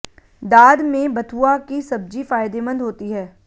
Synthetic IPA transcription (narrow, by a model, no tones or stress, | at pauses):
d̪aːd̪mẽbɐt̪ʰuakisɐb̚d͡ʒifaːɪd̪emə̃nd̪ɦoːt̪iɦɛː